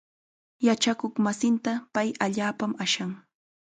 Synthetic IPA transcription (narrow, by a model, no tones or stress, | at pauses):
jat͡ʃakoχmasɪnt̪apajaʎaːpamaʃaŋ